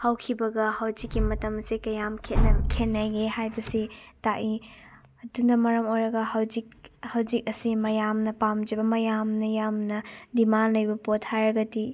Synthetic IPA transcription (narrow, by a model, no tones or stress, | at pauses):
hawkʰibɐɡɐhɐwzikːimɐtɐmɐsikɐjamkʰekʰenːajɡehajbɐsitaʔi | ɐdunɐmɐɾɐmojɾɐɡɐhɐwzik̚hɐwzik̚ɐsimɐjamnɐpamd͡ʒibɐmɐjamnɐjamnɐdimanlɐjbɐpotʰhaɾɐɡɐti